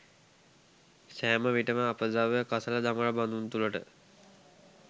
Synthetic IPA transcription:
sæːməʋiʈəməapəzaʋjəkasələd̪aməɾaband̪unt̪uləʈə̰

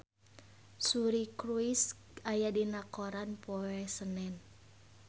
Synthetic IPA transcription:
suɾikɾuis | ajadinakoɾanpoɛsənɛn

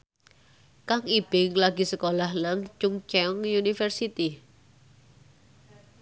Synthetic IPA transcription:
kaŋib̥ɪŋlaɡi̤səkolahlaŋt͡ʃʊŋt͡ʃɛɔŋjunifɛrsit̪i

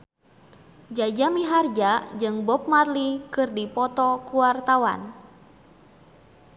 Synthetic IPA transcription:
d͡ʒad͡ʒamiɦard͡ʒad͡ʒɨŋbɔp̚marlikɨrdipɔt̪ɔkuwart̪awa̰n

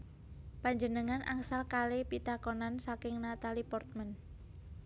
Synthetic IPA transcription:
paɲd͡ʒənəŋanʔa̰ŋsalkalepit̪akonansakɪŋnat̪alipɔrt̪̚mən

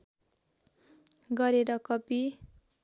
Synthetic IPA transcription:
ɡʌɾeɾʌkʌpi

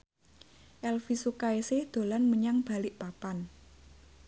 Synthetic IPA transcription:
ʔɛlfisukaesɪhd̪̥o̤lanməɲaŋb̥a̤lɪʔpapan

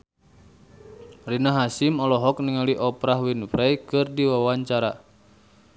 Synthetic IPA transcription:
rinaɦasimɔlɔɦɔk̚niŋaliʔɔpɾahwinfɾɛjkɨrdiwawaɲt͡ʃaɾa

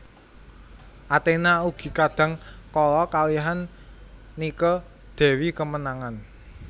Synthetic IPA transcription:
ʔat̪enauɡ̥i̤kad̥ä̤ŋkɔlɔkawiɦanː | ikɔ | d̪̥ɛ̤wikəmənaŋan

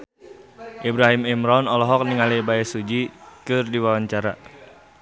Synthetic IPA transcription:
ʔibɾaɦimimɾɔnɔlɔɦɔk̚niŋalibaɛsud͡ʒikɨrdiwawaɲt͡ʃaɾa

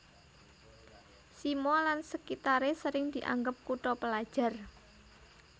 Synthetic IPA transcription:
simɔlansəkit̪aɾesəɾɪŋd̪̥i̤ʔa̰ŋɡəp̚kuʈɔpəlad̥ʒ̥a̤r

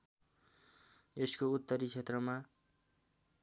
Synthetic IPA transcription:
eskout̪ːʌɾit͡sʰet̪rʌma

